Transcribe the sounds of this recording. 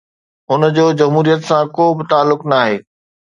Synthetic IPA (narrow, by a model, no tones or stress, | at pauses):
ɦʊnəd͡ʑoːd͡ʑɐmɦuːɾijət̪sãkoːbɪt̪aːlːʊknaaːɦeː